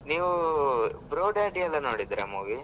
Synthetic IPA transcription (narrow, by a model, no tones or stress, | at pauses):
niːʋu | bɾoːɖɐjʈiɐlːɐnoːɽid̪iɾɐmoːʋi